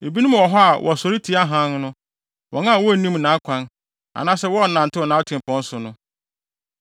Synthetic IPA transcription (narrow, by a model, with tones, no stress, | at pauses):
e˨bi˦nũ˦m˨wɔ˨ɦɔ˦a˨wʔɔ̰˨sɔ˨ɾi˦tʰi˨˦a˦ɦã˦n˦nʊ̃˦ | wʔɔ̰˨nã˦a˨wɔ˦˨nĩ˦mnãː˨˦kʷʰã˦n | a̰˨nãː˦sɛ˦wɔ˦˨nã˨n̩˨tʰɪ˦wɔ˨nãː˨˦tʰɪ̃˨m˨pʰɔ̃˨˦n̩˦sʊ˨nʊ̃˦